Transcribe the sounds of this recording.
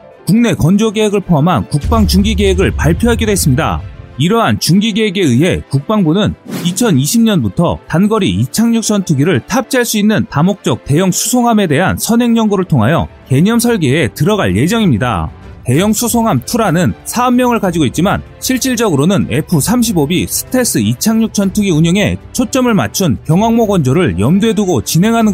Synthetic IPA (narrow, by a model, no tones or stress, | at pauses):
kuŋne̞kʌnd͡ʑoɡe̞ɦeɡɯɭpʰoɦamɦankuk̚p͈aŋt͡ɕuŋɡiɡe̞ɦeɡɯɭpaɭpʰjoɦaɡidwes͈ɯmɲida̰iɾʌɦant͡ɕuŋɡiɡeɦeɡe̞ɯɦe̞kuk̚p͈aŋbunɯnit͡ɕʰʌniɕʰimɲʌnbutʰʌ̰tanɡʌɾḭit͡ɕʰaŋɲuk̚s͈ʌntʰuɡiɾɯɭtʰap̚t͡ɕʰaɭs͈uinːɯntamok̚t͡ɕ͈ʌk̚te̞jʌŋsʰusʰoŋɦame̞de̞ɦansʰʌnɦe̞ŋɲʌŋɡoɾɯɭtʰoŋɦajʌ̰ke̞ɲʌmsʰʌɭɡeetɯɾʌɡaɭje̞d͡ʑʌŋimɲida̰te̞jʌŋsʰusʰoŋɦamtʰuɾanɯnsʰaɯmːjʌŋɯɭkad͡ʑiɡoit̚t͡ɕima̰n | ɕʰiɭt͡ɕ͈iɭd͡ʑʌɡɯɾonɯne̞pʰusʰamɕʰibobisʰɯ̥tʰe̞s͈ɯit͡ɕʰaŋɲuk̚t͡ɕʰʌntʰɯɡiuɲʌŋe̞̰t͡ɕʰot͡ɕ͈ʌmɯɭma̰t͡ɕʰunkjʌŋwaŋmoɡwʌnd͡ʑʌɾɯɭjʌmdwe̞duɡot͡ɕine̞ŋɦanɯn